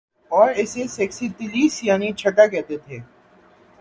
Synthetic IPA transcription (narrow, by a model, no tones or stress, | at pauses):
ɔːɾɪsesɛːksit̪ɪliːsjaːnit͡ʃʰɐʈakɛɦt̪et̪ʰeː